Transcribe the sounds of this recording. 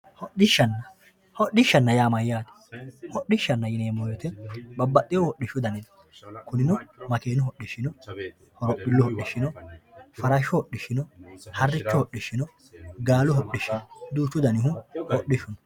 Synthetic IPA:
hɔɗɪʃːɐnːɐ | hɔɗːɪʃːɐnːɐjaːmɐjːaːd̪ɐ̥ | hɔɗɪʃːɐnːɐjɪneːmɔjɔt̪ɛbɐbːɐt̪ʼːɪjɔwɔɗːɪʃʊd̪ɐnɪn | kʊnɪnɔmɐkeːnʊɦɔɗːɪʃɪnɔ | hɔɾɔpːɪlːʊhɔɗːɪʃːɪnɔfɐɾɐʃɔhɔɗːɪʃɪnɔhɐrːɪt͡ʃːɔhɔɗːɪʃːɪnɔ | ɡaːlʊɦɔɗːɪʃɪnɔd̪uːt͡ʃːʊd̪ɐnɪɦʊhɔɗɪʃʊnɔ

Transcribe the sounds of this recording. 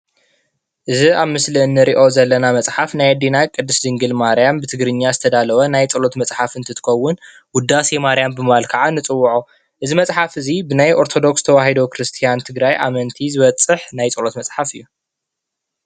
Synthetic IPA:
ʔɨziaβmɨsliɨnːɨɾiʔo̞zɐlːɐnamɐt͡sʼħafnajad̪inakʼɨd̪ːɨszɨŋɡɨlmaɾijambɨt̪ʰɨɡɾɨɲːazɨt̪ʰɐd̪alɐwɐnajt͡sʼɨlo̞t̪mɐt͡sʼħafɨnt̪ʰɨt̪ʰɨ̥xɐwːʊn | wʊd̪ːasimaɾjambɨmɨβalkʰɐʕanːɨt͡sʼɨwːʊʕu | ʔɨzimɐt͡sʼħafɨzibɨnajʔo̞ɾt̪ʰod̪o̞kst̪ʰɐwaɦid̪okʰɾɨst̪ʰijant̪ʰɨɡɾajʔa̰mɐnt̪ʰizɨβɐt͡sʼːɨħnajt͡sʼɨlo̞t̪mɐt͡sʼħafɨjːu

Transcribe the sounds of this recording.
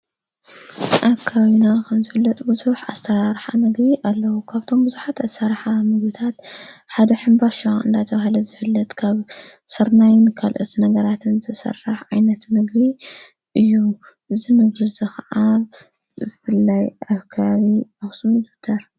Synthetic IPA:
ʔakʰaβinakʰɐmzɨfɨlːɐt̪ʼbɨzuħʔast̪ʰɐɾaɾħa̰mɨɡbiʔalːɐwukʰaβt̪ʰo̞mbɨzuħat̪asaɾħamɨɡbit̪ʰat̪ħad̪ɐħɨmbaʃaɨ̰nd̪at̪ʰɐβahlɐzɨfɨlːɐt̪ʼkʰaβ | sɐɾnajnkʰalʔot̪nɐɡɐɾat̪ʰɨnzɨt̪ʰɐsɐ̰rːaħʕajnɐt̪mɨɡbi | ʔɨjːu | ʔɨzimɨɡɾɨzɐxʕa | bɨfɨlːajʔaβkʰaβaβiaxsumd̪ut̪ʰːɐɾ

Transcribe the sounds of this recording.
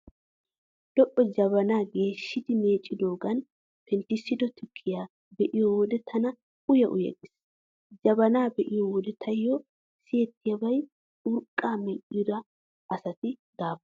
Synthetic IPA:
d̪̥ɔʔʼːɔd͡ʒɐβɐnaːɡe̞ːʃːɪd̪ɪme̞ːt͡ʃʼːɪd̪o̞ːɡɐn | pɛnt̪ɪsɪd̪ɔt̪ʰɪkʰːɪjaː | bɛʔɪjɔwɔd̪ɛt̪ʰɐnɐ | ʊjɐʔʊ̰jɐ̰ɡɪs | d͡ʒɐbɐnaːbɛʔɪjɔwɔd̪ɛt̪ʰɐjːɔ | sɪjɛt̪ːɪjɐbɐj | ʊɾkʼːaːmɛʔʼɪjʊd̪ɐ | ʔɐsɐt̪ɪd̪̥aːf

